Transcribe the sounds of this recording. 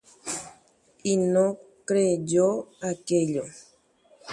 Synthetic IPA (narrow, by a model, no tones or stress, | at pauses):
inokɾeɟoakeʎo